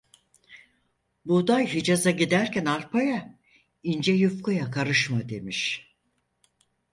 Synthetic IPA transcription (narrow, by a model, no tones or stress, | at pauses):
bud̪ajɦid͡ʒazaɟid̪æɾcʰænaɾpʰaja | ind͡ʒɛjufkujakʰaɾɯʃmad̪e̞miʃ